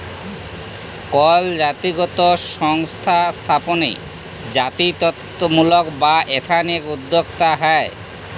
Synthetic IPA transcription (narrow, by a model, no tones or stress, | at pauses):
kɔld͡ʑat̪iɡɔt̪oʃɔŋst̪ʰast̪ʰaponḛ | d͡ʑat̪it̪ɔt̪ːomulokbaʔet̪ʰanekud̪ʱːokt̪aɦae